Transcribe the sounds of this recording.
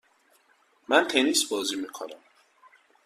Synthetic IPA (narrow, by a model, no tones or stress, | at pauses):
mænt̪ʰenisbɔːzimikʰonæm